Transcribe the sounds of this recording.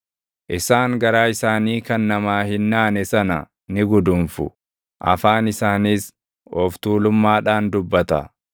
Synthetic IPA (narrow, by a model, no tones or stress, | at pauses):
ʔɪsaːŋɡɐɾaːɪsaːniːkɐnːɐmaːhɪnːaːnɛsɐnɐ | nɪɡʊd̪ʊmfʊ | ʔɐ̰faːnɪsaːniːs | ɔft̪uːlʊmːaːᶑaːnd̪ʊbːɐt̪ɐ̰